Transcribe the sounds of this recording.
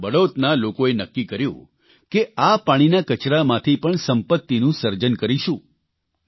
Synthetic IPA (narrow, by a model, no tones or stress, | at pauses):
bəɽot̪nalokoenəkːikəɾjṵ̃ | keapaɽ̃inakət͡ʃɾamãt̪ʰipəɳsəmpət̪ːinũsəɾd͡ʒənkəɾiʃũ